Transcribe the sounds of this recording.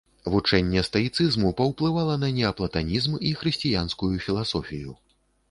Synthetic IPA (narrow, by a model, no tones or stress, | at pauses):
vut͡ʂɛnʲːɛst̪ɐit̪sɨzmupɐwplˠɨvalˠɐnɐnʲɛɐplˠɐt̪anʲizmixɾɨsʲt͡sʲijanskujufʲilˠasɔfʲiju